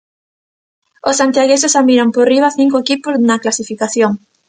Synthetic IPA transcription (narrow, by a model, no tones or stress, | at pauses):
osant̪jaɣesesamiɾamporiβ̞aθiŋkoekipoznaklasifikaθjoŋ